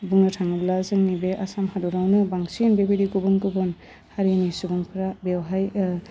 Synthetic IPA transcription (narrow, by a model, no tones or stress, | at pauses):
buŋnɯtʰaŋɯblazɯŋnibeʔasamhaduɾawnɯbaŋsinbebedikubunkubun | haɾinisubuŋpʰɾabewɦaj